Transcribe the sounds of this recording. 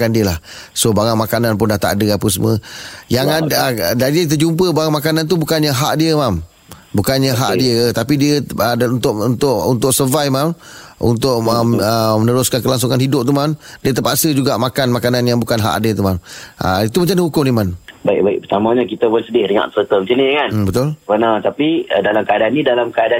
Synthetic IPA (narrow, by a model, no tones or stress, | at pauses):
andiəlahsobaŋaŋmakananp̬ʊndaht̪a̰dəapəs̬əmə̰̃jaŋaddaɾiit̪̬əd͡ʒump̬əbaŋaŋmakanant̪̬ubukanɲəɦa̰ʔdiəmam | bukanɲəɦa̰ʔdiət̪apidiəəunt̪ʊʔunt̪ʊʔunt̪ʊʔ̚səvajmamṵnt̪ʊʔ̚əəmənəɾʊskankəlaŋs̬uŋanhidʊp̚t̪umamdiət̪əpaʔsəd͡ʒuɡaʔmakanmakananjaŋbukanɦa̰ʔdiət̪umamʔə̰it̪uməɲt͡ʃanihukʊŋnimanbaɪk̚baɪ̰k̚pət̪amãɲakit̪əpʊnsədɪhdəŋã̰ʔt̪ət̪əməsənikanbət̪ʊlbənat̪apiədalamkəadanːĩdalamkəada